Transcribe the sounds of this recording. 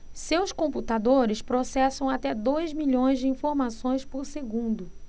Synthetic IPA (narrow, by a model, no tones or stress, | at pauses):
sewskõmput̪ad̪oɾɪspɾosɛsɐ̃w̃at̪ɛd̪ojzmiʎõj̃zd͡ʒɪĩfoɾmasõj̃spoɾseɡũnd̪ʊ